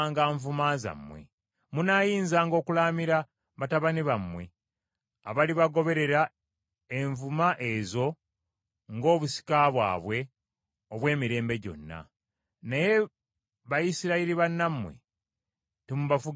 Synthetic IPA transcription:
ŋɡaːɱvumaza̰mːwḛ | munaːjiːnzaːŋɡo̞ːkulaːmiɾa | βataβaniβamwe̞̰ | a̰βaliβaɡo̞βe̞ɾe̞ɾa | e̞ɱvumaʔe̞zo̞ | ŋɡo̞ːβusi̥kaβwa̰ːβwe̞ | oβwe̞ːmiɾe̞ːmbe̞ɟo̞̰nːa̰ | neje̞ | βajisiɾaiɾiβanːamːwḛ | timuβafu

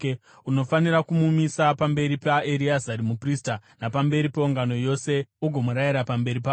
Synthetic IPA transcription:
uno̞faniɾakumumisapambe̞ɾipaeɾiazaɾimupriːstanapambe̞ɾipeuŋɡano̞jo̞se̞uɡʱo̞muɾajiɾapambe̞ɾipaː

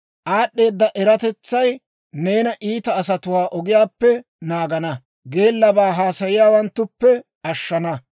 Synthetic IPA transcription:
ʔaːɗːe̞ːd̪ːɐʔɛɾɐt̪ɛt͡sːɐj | ne̞ːnɐʔiːt̪ɐːs̬ɐt̪ʊwaːʔɔɡɪjaːpːɛ | naːɡɐnɐ | ɡe̞ːlːɐbaːɦaːsɐjɪjaːwɐnt̪ːʊpːɛ | ɐʃːɐnɐ

